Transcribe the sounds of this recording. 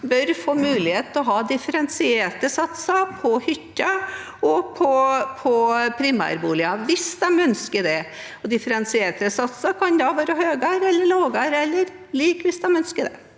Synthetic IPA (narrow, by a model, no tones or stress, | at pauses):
bœɾfoːmʉːlɪheːt̪ɔɦɑːd̪ɪfəɾɛnsɪeːʈəsɑt̪sɑpʰɔhʏt̪ːə | ɔpʰɔpʰɔpʰɾɪmæ̰ːɾbuːlɪɑʋɪsd̪ɑmœnskəɖɛ | ɔd̪ɪfəɾɛnsɪeːʈəsɑt̪sɑkʰɑnd̪ɑʋæːɾəhøːɡɑːɾɛlːəɭoːɡɑːɾɛlːəɾ | liːkʋɪsd̪ɑmœnskəɖɛ̰